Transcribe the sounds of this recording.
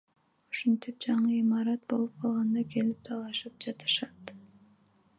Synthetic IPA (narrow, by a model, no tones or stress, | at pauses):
u̥ʃunt̪ip̚d͡ʒɑɴɯimɑɾɑt̪̚bo̞̰lˠup̚qʰɑlˠʁɑnd̪ɑkʰe̞lip̚t̪ʰɑlˠɑʃɯp̚d͡ʒɑt̪ɯ̥ʃɑt̪